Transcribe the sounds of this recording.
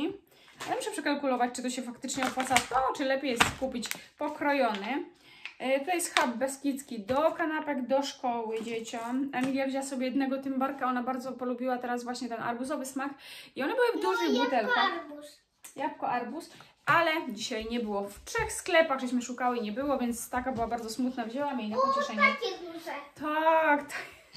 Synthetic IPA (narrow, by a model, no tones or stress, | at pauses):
aɛmuʂɛpʂɛkalkulɔvat͡ɕt͡ʂɨt̪ɔɕɛfakt̪ɘt͡ʂɲɛɔpwat̪sat̪ɔt͡ʂɘlɛpʲjejɛst̪skupʲit͡ɕpɔkɾɔjɔnɘ | t̪jɛst̪xabːɛskʲit̪skʲid̪ɔkanapɛɡd̪ɔʂkɔwɘd͡ʑet͡ɕɔmaŋɡlʲjavʑaasɔbʲjɛjɛd̪nɛɡɔt̪ɘmbaɾkaɔnabaɾd̪zɔpɔlubʲiwat̪ɛɾazvwaɕɲɛt̪ɛnʔa̰ɾbusɔvɘsmaxiɔnɛbɘwɘvd̪uʐimbut̪ɛlabu | japkɔʔaɾbus | ʔalɛd͡ʑiɕajɲɛbɘwɔftʂɛxsklɛpaɣʐɛɕ̬mɘʂukawɘɲɛbɘwɔvʲjɛnt̪st̪akabɘwabaɾd̪zɔsmut̪navʑɛwamʲjeinapɔt͡ɕɛʂɛɲk̪uɛt̪akt̪ʰḁk